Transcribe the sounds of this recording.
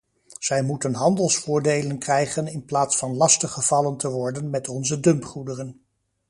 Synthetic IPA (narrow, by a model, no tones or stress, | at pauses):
z̥ɛjmutənɦɑndəlˠsfʊːɹdejlənkrɛjχənɪnplaːtsfɑnlɑstəχəv̥ɑləntəʋɔɹdənmɛtɔnzədɵmpχudərən